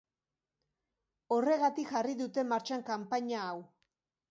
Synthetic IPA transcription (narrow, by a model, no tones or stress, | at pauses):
o̞re̞ɣat̪ikʝariðut̪e̞maɾt͡ʃaŋkampaɲaːw